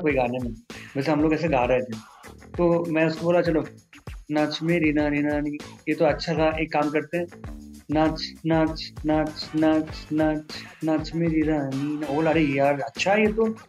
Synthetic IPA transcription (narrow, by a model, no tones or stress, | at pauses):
koːiɡʱaːnenẽʋɛːs̬eɦɐmloːɡɛːs̬eɡʱaːɾɛɦet̪ʰẽ | t̪oːmɛ̃ːʊskoboːlat͡ʃɐloːnãt͡ʃʰmẽɾiːnaniːnanĩjet̪oɐtːʃʰat̪ʰaʔeːkːaːmkɐɾt̪eɦɛ̃ːnat͡ʃnat͡ʃnat͡ʃnat͡ʃnat͡ʃnat͡ʃʰmẽɾinaninoːlaɐɾeːjaːɾɐtːʃʰaɦɛjet̪o